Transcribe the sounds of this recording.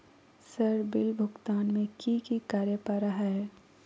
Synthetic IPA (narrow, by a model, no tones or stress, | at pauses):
sɐɾbɪlbʱʊɡt̪aːnmẽkikikaːɾjəpaɾɐɦaɦɛː